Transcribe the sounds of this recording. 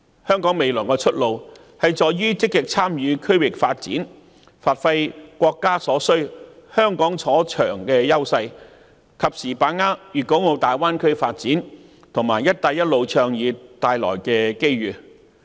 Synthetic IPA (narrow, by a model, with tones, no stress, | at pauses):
hœː˥ŋkɔː˨˥ŋme˨˧jlɔː˨˩jkɛ˧t͡ʃʰɵ˥t̚lo˨˧w | hɐ˨jt͡ʃɔː˨jɥyː˥t͡sɪ˥kːɪ˨k̚t͡sʰaː˥mjyː˨˧kʰɵ˥ɥwɪ˨k̚faː˧t̚t͡sḭː˨˥n | faː˨t̚fɐ˧jkʷɔː˧kːaː˥sɔː˨˥sɵ˥ɥhœː˥ŋkɔː˨˥ŋt͡sʰɔː˨˥t͡ʃʰœː˨˩ŋkɛː˧jɐ˥wsɐ˧j | kʰɐ˨p̚siː˨˩paː˨˥ŋaː˥jyː˨˩ko˨˥wŋo˨˧wt̪aː˨jwaː˥nkʰɵ˥ɥfaː˧t̚t͡siː˨˥n | t̪ʰʊ˨˩ŋmaː˨˩jɐ˥t̚t̪aː˧jɐ˥t̚lo˨˧wt͡ʃʰœː˧ŋjiː˨˧t̪aː˨˧jlɔ̰ː˨˩jkɛː˧ke˥jɥyː˨˩